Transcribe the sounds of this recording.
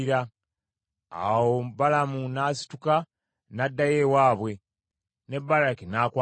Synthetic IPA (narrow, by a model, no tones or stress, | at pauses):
iɾa | a̰wobalamunaːsi̥tuka | nadːaje̞waːβwe̞ | ne̞bːalakinaːkw